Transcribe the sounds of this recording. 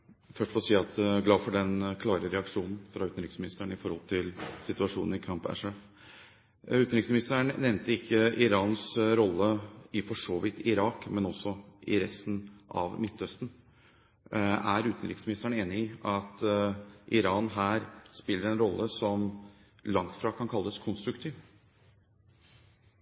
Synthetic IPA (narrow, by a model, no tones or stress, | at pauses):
fœʂʈfɔsiːɑt̪ɡlɑːfɔɖɛnkʰlɑːɾəɾɛɑkʂuːnn̩fɾɑʉːt̪n̩ɾɪksmɪnɪst̪əɳɪfɔɾhɔlt̪ʰɪlsɪt̪ʉɑʂuːnn̩ɪkʰɑmpɛ̰ʂɛf | ʉːt̪nɾɪksmɪnɪst̪əɳnɛʋnt̪əɪkʰːəʔɪɾɑːnsɾɔlːəɪfɔʂoːʋɪt̪ɪɾɑːkmɛnɔsɔʔɪɾɛst̪n̩ʔɑ̰ʋmɪt̪ːœst̪n̩ | æɾʉːt̪nɾɪksmɪnɪst̪əɳeːnɪɪɑt̪ | ʔɪɾɑːnɦæːɾspɪlːəɾɛnɾɔlːəsɔm | lɑŋt̪fɾɑːkʰɑnkʰɑlːəskʰɔnst̪ɾʉkt̪ʰiːʋ